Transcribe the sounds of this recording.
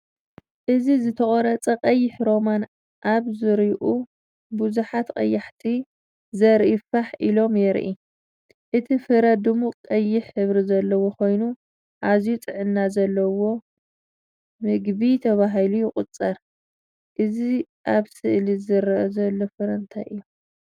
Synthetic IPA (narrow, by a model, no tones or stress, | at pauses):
ʔɨzizɨt̪ʰɐkʼɐɾɐt͡sʼɐqʼɐjːɪħɾo̞man | ʔaβzɨɾiʔu | buzuħat̪qʼɐjːaħt̪ʰi | zɐɾʔifaħʔilo̞mjɛɾʔi | ʔɨt̪ʰifɨɾɐd̪ɨmuqʼɐjːɪħɨβɾizɐlːɐwo̞kʰo̞jnu | ʔazjut͡sʼɨʕɨnːazɐlːɐwo̞ | mɨɡβit̪ʰɐβaɦilujɪkʼʊt͡sʼːɐɾ | ʔɨzi | ʔaβsɨʔlizɨɾʔɐzɐlːo̞fɐɾɐnt̪ʰajʔɨjːu